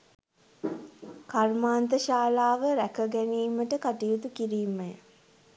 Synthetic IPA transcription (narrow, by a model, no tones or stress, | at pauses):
karmaːnt̪əʃaːlaːʋəɾækəɡæniːməʈəkaʈijut̪ukiɾiːmːej